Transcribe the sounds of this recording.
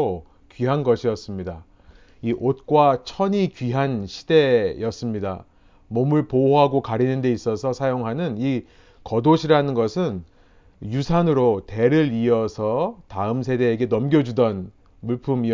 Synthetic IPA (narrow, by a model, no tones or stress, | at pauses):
o | kɥiɦanɡʌɕʰijʌs͈ɯmɲida | iʔot̚k͈wat͡ɕʰʌɲikɥiɦanɕʰi̥de̞jʌs͈ɯmɲida | momɯɭpooɦaɡokaɾinɯnde̞is͈ʌsʰʌsʰajoŋɦanɯni | kʌdoɕʰiɾanɯnɡʌsʰɯn | jusʰanɯɾote̞ɾɯɾiʌsʰʌtaɯmsʰe̞de̞ːɡe̞nʌmɡjʌd͡ʑudʌn | muɭpʰumi